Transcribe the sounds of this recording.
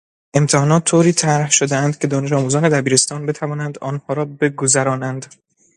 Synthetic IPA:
ʔe̞mt̪ʰehɒːnɒːt̪ʰːoːɾiːt̪ʰæɾhʃod̪eænd̪̥cʰe̞d̪ɒːne̞ʃ̬ɒːmuːzɒːne̞d̪æbiːɾe̞st̪ɒːnbe̞t̪ʰævɒːnænd̪ɒːnhɒːɾɒːbe̞ɡozæɾɒːnænd̪

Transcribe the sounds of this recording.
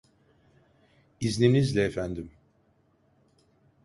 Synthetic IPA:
izninizlʲɛːfænd̪im

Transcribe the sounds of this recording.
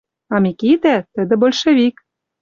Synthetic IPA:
ɑmikid̪æt̪ə̆d̪ɘ̆bolʲʃĕvik

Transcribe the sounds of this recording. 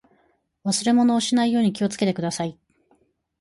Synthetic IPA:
βasɨɾe̞mo̞no̞ːɕinaijo̞ːɲ̟ikʲio̞t͡sɨ̥ke̞t̪e̞kɯ̟d̪asai

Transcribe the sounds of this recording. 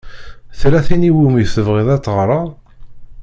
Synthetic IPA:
θɾæθiniwumiθəvʁiðˤæt͡sːʁɾˤɑˤ

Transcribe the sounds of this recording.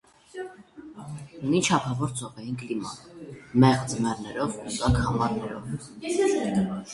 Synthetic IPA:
unit͡ʃʰɑpʰɑvɔɾt͡sʰɔpɛinklimɑ̰mɛʁd͡zəmɛɾnɛɾɔvusɑkhɑmɑɾnɛɾɔ̰v

